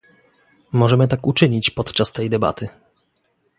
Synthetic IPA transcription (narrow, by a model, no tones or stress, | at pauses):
mɔʐɛmɘt̪̬akut͡ʂɘɲit͡ɕpɔt̪t͡ʂast̪ɛjd̪ɛba̰t̪ʰɘ